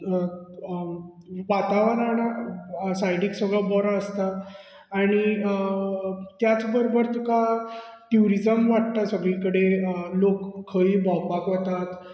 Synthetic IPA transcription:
ʋat̪aʋənanasajɖiksəɡɭabɔɾaəst̪aː | ɽ̃i | t̪jat͡sbəɾobəɾt̪ikaʈjuɾid͡zəmʋaʈ̚t̪asəɡɭĩkəɽelokʰːəibɔɡbakʋət̪at̪

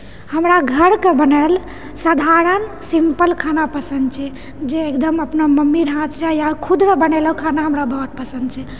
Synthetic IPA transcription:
həmɾaɡʱəɾkebənal | sad̪ʱaɾən | simpəlkʰanapəsənd̪t͡ʃʰɛ | d͡ʒeekd̪əməpnaməmːiɾɦãt̪ɾjajakʰud̪ɾəbəneləɦukʰanaɦəmɾabəɦut̪̚pəsə̃nd̪t͡ʃʰɛ

